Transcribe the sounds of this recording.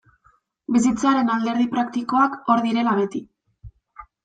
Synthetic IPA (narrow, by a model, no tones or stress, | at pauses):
bis̬it͡saɾe̞nald̪e̞ɾðipɾakt̪iko̞ako̞ɾðiɾe̞laβe̞t̪i